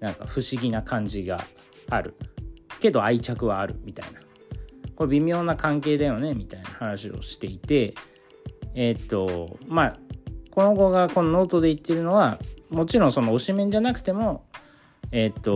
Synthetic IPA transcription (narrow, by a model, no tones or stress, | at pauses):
nãŋka̰ɸɯ̟ɕiɡʲinakãɲ̟d͡ʑiɡa̰ː | ɾɯ̟̰ke̞d̪o̞ait͡ɕakɯ̟βaːɾɯ̟̰mʲit̪a̰ina | ko̞ɾebʲimʲjo̞ːnakãŋk̬e̞ːd̪ajo̞ne̞mʲit̪ainahanaɕio̞̰ɕi̥t̪e̞it̪e̞ | t̪ːo̞mako̞no̞ɡo̞ɡako̞nono̞ːt̪o̞d̪e̞it̪ːe̞ɾɯ̟no̞βamo̞t͡ɕiɾõ̞ɰ̃so̞no̞ːɕimẽ̞ɲ̟d͡ʑanakɯ̟̥t̪e̞mo̞ | e̞t̪ːo